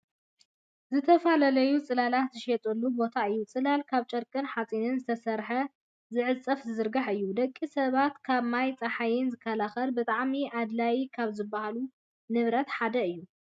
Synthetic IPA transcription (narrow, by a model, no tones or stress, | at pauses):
zɨt̪ʰɐfalɐlɐjut͡sʼɨlalat̪zɨʃet̪ʼɐlːubo̞t̪ʰaɨjːut͡sʼɨlalkʰaβt͡ʃʼɐɾkʼɨnħat͡sʼinɨnzɨt̪ʰɐsɐɾħɐ | zɨʕɨt͡sʼːɐfzɨzɨɾɡaħɨjːud̪ɐkʼːisɐβat̪kʰaβmajt͡sʼɐħajɪnzɨkʰːɐlaxɐlbɨt̪ʼaʕmiʔad̪lajikʰaβzɨbːahalu | nɨβɾɐt̪ħad̪ɐɨjːu